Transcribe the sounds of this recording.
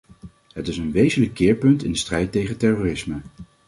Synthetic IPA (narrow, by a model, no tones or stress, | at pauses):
ɦətɪsənʋejzənləkːɪːɹpɵntɪndəstrɛjtejχətɛroːrɪsmə